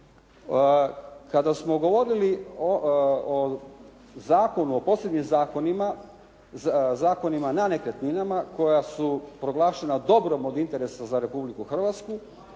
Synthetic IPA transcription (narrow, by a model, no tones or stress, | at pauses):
kad̪asmo̞ɡo̞ʋo̞ɾilioo | zaːko̞nuopoːsebɲimzaːko̞nima | zaːko̞nimanane̞kɾet̪ɲinamako̞jasupɾo̞ɡlˠaːʃe̞nad̪o̞bɾo̞mo̞d̪int̪e̞ɾe̞sazaɾe̞publikuxr̩ʋat̪sku